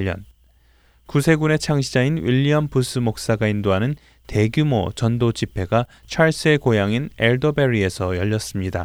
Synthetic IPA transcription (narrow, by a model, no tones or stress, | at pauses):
ʌ̰n | kusʰe̞ɡune̞t͡ɕʰaŋɕʰid͡ʑainwiʎːiampus͈ʰɯmok̚s͈aɡaindoɦanɯn | te̞ɡjumot͡ɕʌndod͡ʑipʰe̞ɡa | t͡ɕʰaɭs͈ɯe̞kojaŋine̞ɭdobe̞ɾie̞sʰʌjʌʎːʌs͈ɯmɲida